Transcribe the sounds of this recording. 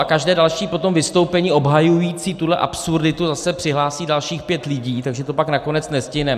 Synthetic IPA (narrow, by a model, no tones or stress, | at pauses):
akaʒdɛːdalʃiːpo̞t̪o̞mvɪst̪owpɛɲiːʔo̞bɦajujiːt͡siːt̪udlɛʔa̰psurdɪt̪uzasɛpr̥ɪɦlaːsiːdalʃiːxpjɛt̪lɪɟiːt̪aɡʒɛt̪o̞paknako̞nɛt͡snɛscɪɦnɛ